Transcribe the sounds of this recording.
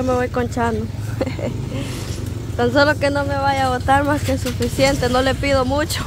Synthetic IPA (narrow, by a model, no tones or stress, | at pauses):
omeβojkont͡ʃano | t̪ansolokenomeβajaβot̪aɾmaskesufisjent̪enolepiðomut͡ʃo̥